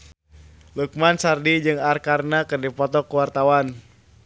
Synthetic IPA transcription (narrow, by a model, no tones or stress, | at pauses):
luk̚mansardid͡ʒɨŋarkarnakɨrdipɔt̪ɔkuwart̪awan